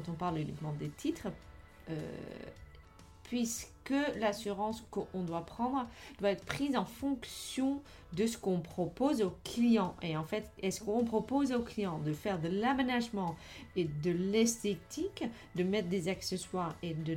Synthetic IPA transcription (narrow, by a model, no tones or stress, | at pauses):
kɑ̃t̪ɔ̃paʁlynḭkmɑ̃d̪et̪ʰit̪χ | ø̰ | pɥiskəlasyʁɑ̃skəʔɔ̃d̪wapχɑ̃d̪ʁd̪waɛt̪χə̥pχizɑ̃fɔ̃ksjɔ̃ | d̪əsə̥kɔ̃pχɔpozoklijɑ̃ʔeɑ̃fɛt̪ɛsə̥kɔ̃pχɔpozoklijɑ̃d̪əfɛʁd̪əlamenaʒmɑ̃ | ed̪əlɛst̪et̪ik | d̪əmɛt̪χd̪ezakseswaʁed̪ə